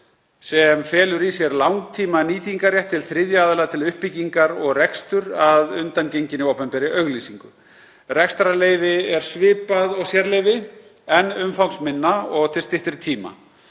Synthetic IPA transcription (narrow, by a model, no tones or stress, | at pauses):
sɛmfɛːlʏɾisjɛɾlawŋkt̪ʰiːmaniːt̪iŋkaɾjɛjht̪ʰːɪlθɾɪðjaːðʏlat̪ʰɪlʏhpːiciŋkaɾɔɣrɛkst̪ʏɾaðʏnt̪ancejɲcɪnɪowpɛmpɛɾɪʔœɣliːsiŋkʏ | rɛkst̪ɾaleːjvɪɛɾ̥svɪːpaðɔɣsjɛɾlejvɪ | ɛnːʏmfawksmɪnːaɔɣt̪ʰɪ̥st̪ɪht̪ɪɾt̪ʰiːma̰